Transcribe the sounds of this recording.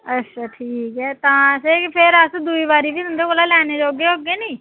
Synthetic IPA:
ətːʃʰaːʈʰiːkɦɛːt̪ãːəseːkpʰɪɾəsd̪uiːbaːɾiːbiːd̪ʊnd̪eːkoːlaːlɛːneːd͡ʒ̪oɡeːoɡeːniː

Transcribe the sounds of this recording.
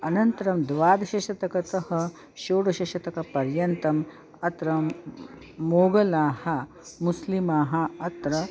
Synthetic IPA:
ɐnɐnt̪ɐɾɐmd̪ʋaːd̪ɐʃɐʃɐt̪ɐkɐt̪ɐɦɐ̆ | ʃoːɽɐʃɐʃɐt̪ɐkɐpɐɾjɐnt̪ɐm | ɐt̪ɾɐ | moːɡɐlaːhɐ | muslimaːɦɐ̆ɐt̪ɾɐ

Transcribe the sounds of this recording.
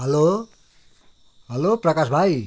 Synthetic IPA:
ɦʌlo | ɦʌloprʌkasbʱaj

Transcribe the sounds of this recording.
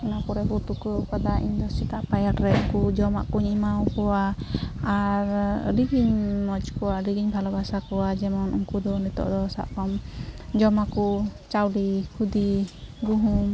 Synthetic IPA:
ɛnakɔɾɛɦut̪ukəkad̪aʔḭɲd̪ɔsit̪aʔpajaʈɾɛuŋkud͡ʒɔma̰ʔkuɲimawkɔwaː | ɾɾiɡiɲmɔt͡ʃkɔwaɾiɡiɲbʱalɔbʱasakɔwad͡ʒɛmɔnṵŋkud̪ɔnit̪ɔ̰ʔd̪ɔsa̰ʔkɔmd͡ʒɔmakut͡ʃawɖihud̪iɡuɦum

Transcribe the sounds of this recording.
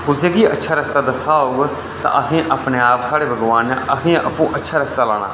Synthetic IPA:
kʊseːkiːətːʃʰaːɾəst̪aːd̪əsaːoːɡ | t̪ã̰ːʔəsĩːʔəpneːaːpsaːɽeːbʱəɡʋaːneʔəsĩːʔəpũːʔətːʃʰaːɾəst̪aːlaːɽ̃a̰ː

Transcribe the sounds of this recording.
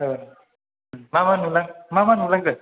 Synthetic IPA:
ə | mamanulaŋmamanulaŋkə

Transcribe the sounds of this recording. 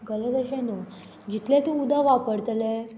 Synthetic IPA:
ɡələɡəɕẽnu | d͡ʑit̪lẽt̪ũud̪ʱaʋapəɽt̪le

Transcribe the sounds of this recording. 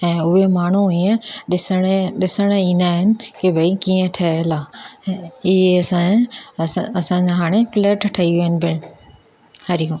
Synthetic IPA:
ɛ̃ːʊɦemaːɳ̤uɦiẽɗɪsɽ̃eɗɪsəɽ̃ĩːnd̪aːɦɪnɪ̆kebʱɐikiːẽʈʰɐelaː | ɪɦeɐsã | ɐsãːɲd͡ʑaɦaːɽ̃efɪleːʈʰʈʰɐiʋiənɪ̆bɪ | hɐɾijõː

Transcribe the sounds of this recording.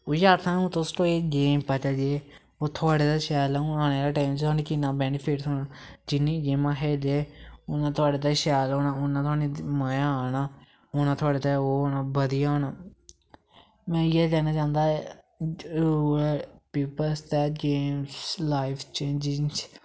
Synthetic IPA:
oːjaːɾt̪ʰãːõːt̪õsʈoːeɡeːmpət͡ʃəd͡ʒeː | oːt̪ʰʊaːɽeːt̪aːʃɛːlːnãːneːlaːʈaːɪmd͡ʒt̪ʰaːnĩːkinãːbɛːnɪpʰɪʈsoːnaːd͡ʒɪnːĩːɡeːmãːɦɛːd̪eʊnãːt̪ʰʊaːɖeːt̪aːʃɛːloːnãːʊnãːt̪ʰʊaːnĩːmajaaːnaː | ʊnãːt̪ʰʊaːɽeːt̪aoːɦoːnaːbəd̪ijaɦoːnaː | mɛ̃ːjeːlɛːnaːt͡ʃãːnd̪aːɛ | ɾuːpiːpəlst̪ɛːɡeːmslaːɪfʰt͡ʃẽːnd͡ʒɪŋt͡ʃ

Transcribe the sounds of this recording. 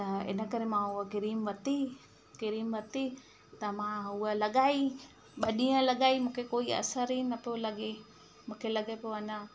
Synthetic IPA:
t̪aḛnakaɾimauakiɾimwat̪i | kiɾimwat̪i | t̪amaualaɡaj | ɓaɗialaɡajmukekoia̰saɾinapolaɡe | mokelaɡajpoana

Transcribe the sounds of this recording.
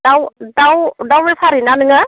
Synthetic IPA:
dawdawdawmepʰaɾinanɯŋa

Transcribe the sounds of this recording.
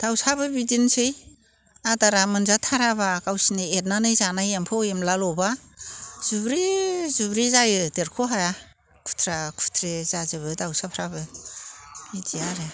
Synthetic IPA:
d̥awsabɯbidinsɯj | adaɾamɯnzatʰaɾaβakawsiniet̚nanɯjzanajempʰɔemlalɔba | z̥ubɾizubɾizajɯdeɾkʰoɦaja | kʰu̥tʰɾakʰutʰɾezazɯβɯdawsapʰɾabɯ | idiaɾe

